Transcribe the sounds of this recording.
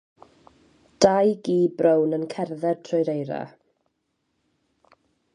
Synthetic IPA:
d̥ajɡiːbrownənkʰɛrðɛrtʰrɔjɾejɾa̰

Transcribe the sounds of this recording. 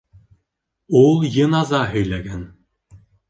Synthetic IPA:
ulˠjɤ̆nɑzɑɦɵ̆jlæɡæn

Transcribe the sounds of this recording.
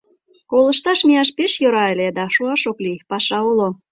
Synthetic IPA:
kolə̆ʃt̪ɑʃmiɑʃpeʃjoɾɑeled̪ɑʃuɑʃoklipɑʃɑulo

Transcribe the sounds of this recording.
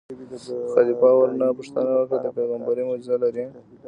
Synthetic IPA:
xad̪ipɑwaɾnapaʂt̪anawakad̪əpeɣambaɾimad͡ʒzalaɾi

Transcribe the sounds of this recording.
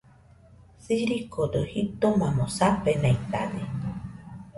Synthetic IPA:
siɾikod̪ohitt̪omãmõsapenãit̪a̰d̪e

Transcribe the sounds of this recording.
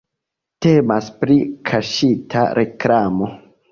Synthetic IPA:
te̞maspɾikʰaʃitʰa̰ɾe̞klamo̞

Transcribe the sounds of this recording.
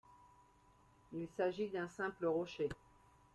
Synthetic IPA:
ilsaʒid̪ɛ̃sɛ̃pləʁɔʃe

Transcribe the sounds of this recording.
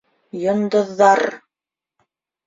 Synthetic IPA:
jŏnd̪ŏðːɑɾ

